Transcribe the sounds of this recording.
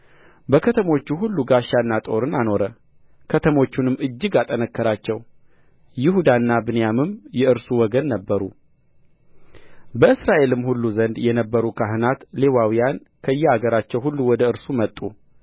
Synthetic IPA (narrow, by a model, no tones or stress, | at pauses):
bəkʰət̪ʰəmo̞t͡ʃːuɦulːuɡaʃanːat̪ʼo̞ɾɨnano̞ɾə | kʰət̪ʰəmo̞t͡ʃːunɨmɨd͡ʒːɪɡat̪ʼənəkːəɾat͡ʃːɛw | jɪhud̪anːabɨnjamɨmjɛɨɾsuwɔɡənːəbːəɾu | bəɨsɾaʔe̞lɨmhulːuzənd̪jɛnəbːəɾukʰaɦɨnat̪le̞wawijan | kʰəɨjːɛaɡəɾat͡ʃːɛwhulːuwɔd̪əɨɾsumət̪ʼːu